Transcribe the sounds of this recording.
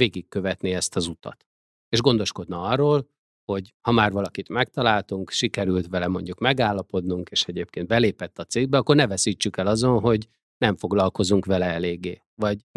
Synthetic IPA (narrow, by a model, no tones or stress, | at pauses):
veːɡikːø̞vɛt̪niɛst̪ɒzut̪ɒ̰t̪ | eːʒɡo̞nd̪o̞ʃko̞d̪nɒɒrːoːl | ho̞ɟhɒmaːrvɒlɒkit̪mɛk̚t̪ɒlaːlt̪uŋkʃikɛɾylt̪ʋɛlɛmo̞̰ɲɟukmɛɡaːlːɒpo̞d̪nuŋkeːʃɛɟeːp̚keːnd̪̚bɛleːpɛt̪ːɒt̪seːɡ̚bɛɒkːo̞rnɛvɛsiːt͡ʃːykɛlɒzo̞nɦo̞ɟ | nɛɱfo̞ɡlɒlko̞zuŋkʋɛlɛɛleːɡːeː | vɒɟ